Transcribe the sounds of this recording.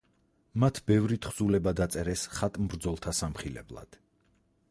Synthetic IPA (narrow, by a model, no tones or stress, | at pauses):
mat̪ʰbɛvɾit̪ʰχz̥ulɛbad̪at̪sʼɛɾɛsχat̪ʼmbɾd̪zɔlˠt̪ʰasamχilɛ̰blˠa̰d̪̥